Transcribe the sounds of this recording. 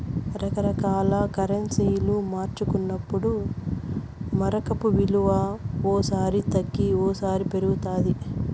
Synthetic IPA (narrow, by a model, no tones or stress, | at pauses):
ɾɐkɐɾɐkaːlɐkɐɾɐnsijulumaːɾt͡ʃukunːɐpːuɽu | mɐɾɐkɐpuʋiluʋaːɔːsaːɾit̪ɐɡːiɔːsaːɾipe̞ɾuɡut̪aːd̪i